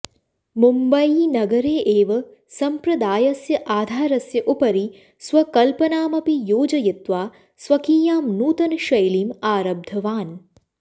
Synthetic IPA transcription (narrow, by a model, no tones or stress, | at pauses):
mumbɐinɐɡɐɾeːʔeːʋɐ | sɐmpɾɐd̪aːjɐsjɐʔaːd̪ʱaːɾɐsjɐʔupɐɾi | sʋɐkɐlpɐnaːmɐpijoːd͡ʒɐjɪt̪ʋaː | swɐkiːjaːmnuːt̪ɐnʃɐjliːmaːɾɐb̚d̪ʱɐʋaːn